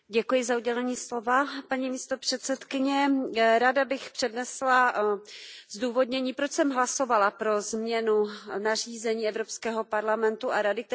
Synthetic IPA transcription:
ɟɛkujɪzauɟɛlɛɲiːslo̞vapaɲiːmiːst̪opr̥ɛt̪sɛt̪kɪɲɛɾadabɪxpr̥ɛdnɛsla | zduːvo̞dɲɛɲiːpɾot͡ʃsɛmɦlaso̞valapɾo̞zmɲɛnunar̝iːzɛɲiːɛvɾopskɛːɦo̞paɾlamɛnt̪uaɾadɪk̚t̪

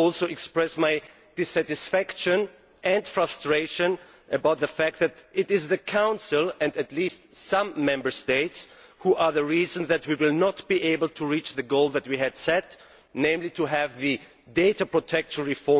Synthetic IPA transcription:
ɔlˠsoʊɛkspɹɛsmaɪ | d̥ɪsæɾɨsfækʃɨ̃n | ʔɨ̃ndfɹastɹ̥eɪʃɨ̃n | ʔɨbaʊt̪̚ðɨfæk̚t̪̚ðɨɾɪɾɪzðɨkʰãʊ̃nsəlˠɨ̃ndɨtʰˡlistsʌ̃mːɛ̃mbə˞steɪts | huʔə˞ðɨɹizə̃nðɨt̚wiwɪlˠnət̚b̥iʔeɪbəl̩ˠtʰuɹit͡ʃðɨɡoʊlˠðɨt̚wiɨd̥sɛt | nẽɪ̃mlitʰɨɦɨvðɨ | deɪɾəpʰɹ̥otʰɛkʃə̃nɹɨfɔ

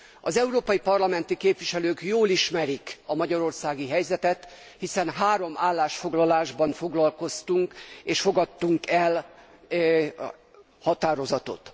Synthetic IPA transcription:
ɒzɛuɾoːpɒjipɒrlɒmɛnt̪ikeːpʋiʃɛløːkjoːliʃmɛɾikɒmɒɟɒɾo̞rsaːɡiɦɛjzɛt̪ɛt̪ | hisɛnɦaːɾo̞mʔaːlːaːʃfo̞ɡlɒlaːʒbɒnfo̞ɡlɒlko̞st̪uŋkeːʃfo̞ɡɒt̪ːuŋkɛl | hɒt̪aːɾo̞zɒt̪o̞̰t̪

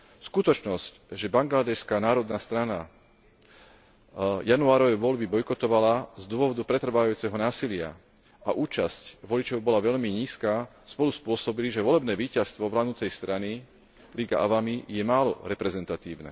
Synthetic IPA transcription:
skut̪ɔt͡ʃnɔsc | ʒɛbaŋɡlad̪ɛʃskaːnaːɾɔd̪nast̪ɾana | januaːɾɔʋɛjʋɔʎbibɔjkɔt̪ɔʋalazd̪ʊɔʋɔd̪upɾɛt̪r̩ʋaajuːt͡sɛɦɔnaːsilɪa̰ | aʔuːt͡ʃascʋɔlit͡ʃɔʊbɔlaʋɛʎmiɲiːskaː | spɔluspʊɔsɔbiliʒɛʋɔlɛbnɛːʋiːcast̪ʋɔʋlaːd̪nut͡sɛjst̪ɾani | liɡa̰ʔa̰ʋamijɛmaːlɔ̰ɾɛpɾɛzɛnt̪at̪iːʊnɛ̰ː

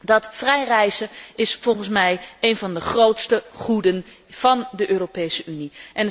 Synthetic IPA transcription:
dɑtfrɛjrɛjsəɪsfɔlˠχənsmɛjejnvɑndəχrowtstəχudən | v̥ɑndəʔøːropejsəyniʔɛn

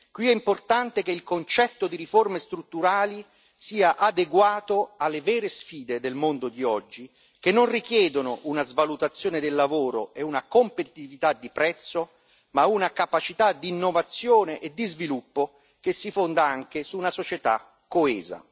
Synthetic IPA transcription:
kwiɛimport̪ant̪ekeilkont͡ʃɛt̪ːod̪iɾiformest̪ɾut̪ːuɾaːli | siːaʔad̪eɡwaːt̪oalːevɛːɾesfiːd̪ed̪elmond̪od̪iɔd͡ʒːi | k̟enːonrikjɛːd̪onoʔunazvalut̪at̪sːjoːnɪd̪elːavoːɾoeunakompet̪ivit̪ad̪ːipɾɛt̪sːo | maunakapat͡ʃit̪ad̪inːovat̪sːjoːneʔed̪ːizvilupːo | kesːifond̪aaŋk̟esuːnasot͡ʃet̪a̰ | kːoɛːza̰

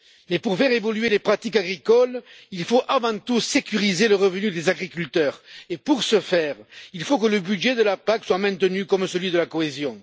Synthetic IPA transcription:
mɛpuʁfɛʁevɔlyelepχat̪ikaɡʁikɔl | ilfoʔavɑ̃t̪usekyʁizeləʁəvənyd̪ezaɡʁikʲylt̪œʁepuʁsəfɛʁilfokələbydʒed̪əlapakswamɛ̃t̪ənykɔmsəlɥid̪əlakoezjɔ̃

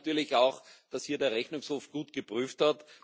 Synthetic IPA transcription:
tyːɐlɪçaʊxd̥ashiːɐdeːɐʁɛçnʊŋshoːfɡ̥uːtɡ̥əpʁyːfthat

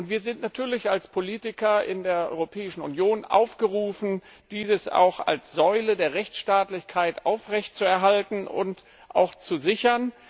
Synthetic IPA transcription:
ʔʊntv̥iːɐzɪntnatʰyːɐlɪçalspʰoliːtɪkɐʔɪ̰ndeːɐʔɔ̰ʏʁopʰɛːɪʃn̩unjoːnʔa̰ʊfɡ̥əʁuːfn̩ | d̥iːzəsa̰ʊxa̰lsz̥ɔʏlədeːɐʁɛçt͡sʃtaːtlɪçkʰaɪtʔaʊfʁɛçt̚t͡suɛɐɦaltn̩ʊ̰nt | ʔa̰ʊxt͡suzɪçɐn

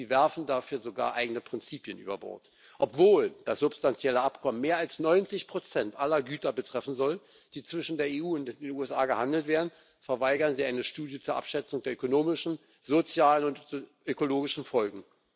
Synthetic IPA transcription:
ziːvɛɐfn̩daːfyːɐzoɡa̰ːɐʔaɪɡənəpʁ̥ɪnt͡siːpjənʔy̰ːbɐbɔ̰ɐt | ʔɔpv̥oːld̥asz̥ʊpstant͡sjɛləʔapkʰɔməmːeːɐalsnɔʏnt͡sɪçpʁ̥ot͡sɛntʔalɐɡyːtɐbətʁ̥ɛfn̩zɔl | d̥iːt͡sv̥ɪʃn̩deːɐeuːʊntdeːnuːɛsʔaːɡəhandl̩tv̥eːɐdn̩ | fɛɐvaɪɡɐnziːʔaɪnəʃtuːdjət͡suːɐʔa̰pʃɛt͡sʊŋdeːɐʔøkonoːmɪʃn̩ | zot͡sjaːlənʊntʔøkoloːɡɪʃn̩fɔlɡŋ̩

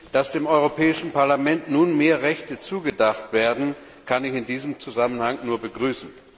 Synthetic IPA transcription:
d̥asd̥eːmʔɔʏʁ̞opʰɛːɪʃn̩paɐlamɛntnuːnmeːɐʁɛçtət͡suːɡədaχtv̥eːɐdn̩ | kʰanɪçɪndiːzəmt͡suzamənhaŋnuːɐbəɡʁyːsn̩

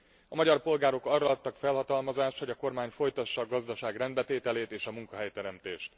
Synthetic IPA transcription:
ɒmɒɟɒrpo̞lɡaːɾo̞kɒrɒɒt̪ːɒkfɛlɦɒt̪ɒlmɒzaːʃt̪ho̞ɟɒko̞rmaːɲfo̞jt̪ɒʃːɒːɡɒzd̪ɒʃaːɡrɛnd̪̚bɛt̪eːt̪ɛleːt̪eːʃɒmuŋkɒɦɛjt̪ɛɾɛmt̪eːʃt̪

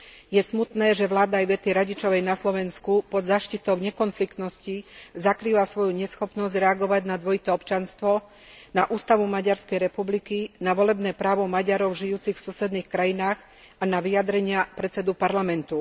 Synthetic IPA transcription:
jɛsmut̪nɛːʒɛʋlaːd̪aːjʋɛt̪iɾaɟit͡ʃɔʋɛjnaslɔʋɛnskupɔd̪zaːʃcit̪ɔʊɲɛkɔnflikt̪nɔscizakɾiːʋasʋɔjuɲɛsxɔpnɔzɟɾɛaɡɔʋaɟnad̪ʋɔit̪ɛɔpt͡ʃanst̪ʋɔ | naʔuːst̪aʋumaɟaɾskɛjɾɛpublikinaʋɔlɛbnɛːpɾaːʋɔmaɟaɾɔʊʒijuːt͡sixfsusɛd̪niːxkɾajinaːx | anaʋiad̪ɾɛɲɪapɾɛt̪t͡sɛd̪upaɾlamɛnt̪u

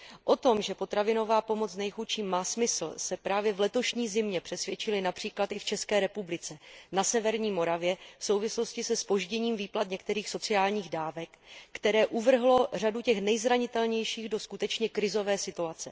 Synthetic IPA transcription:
ʔo̞t̪o̞mʒɛpo̞t̪ɾavɪno̞vaːpo̞mo̞t͡snɛjxut͡ʃiːmːaːsmɪsl̩sɛpɾaːvjɛvlɛt̪o̞ʃɲiːzɪmɲɛpr̥ɛsvʲjɛt͡ʃɪlɪnapr̥iːklat̪ɪft͡ʃɛskɛːɾɛpublɪt͡sɛnasɛvɛɾɲiːmo̞ɾavjɛfso̞wvɪslo̞scɪsɛspo̞ʒɟɛɲiːmviːplat̪ɲɛkt̪ɛɾiːxso̞t͡sɪaːlɲiːɣdaːvɛkːt̪ɛɾɛːʔuvr̩ɦlo̞r̝aducɛxnɛjzɾaɲɪt̪ɛlɲɛjʃiːɣdo̞skut̪ɛt͡ʃɲɛkɾɪzo̞vɛːsɪt̪uat͡sɛ̰

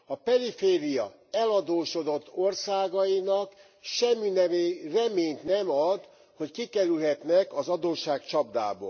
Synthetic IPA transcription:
ɒpɛɾifeːɾijɒ̰ | ɛlɒd̪oːʃo̞d̪o̞t̪ːorsaːɡɒjinɒk | ʃɛmːinɛerɛmeːɲt̪nɛmɒd̪ | hockikɛɾylɦɛt̪nɛkɒzɒd̪oːʃaːkt͡ʃɒb̚d̪a̰ːbo̰ː

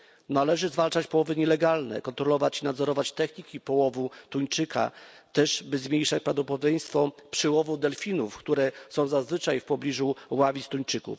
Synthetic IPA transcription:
nalɛʐɘzvalt͡ʂat͡ɕpɔwɔvɘɲɛlɛɡalnɛ̰kɔnt̪ɾɔlɔvat͡ɕinad̪zɔɾɔvat͡ɕt̪ɛxɲikʲipɔwɔvut̪uɲt͡ʂɘkʰa̰t̪ɛʐbɘzmʲjejʂat͡ɕpɾavd̪ɔpɔd̪d̪jʲɛj̃st̪fɔpʂɘwɔvud̪ɛlfʲinufkt̪uɾɛsɔ̃w̃zazvɘt͡ʂajfpɔblʲiʐuwavʲist̪uɲt͡ʂɘkṵf

